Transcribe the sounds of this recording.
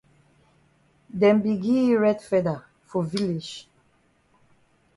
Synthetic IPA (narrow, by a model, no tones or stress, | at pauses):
dɛ̃mbiɡiɹɛdfɛda | fɔvilid͡ʒ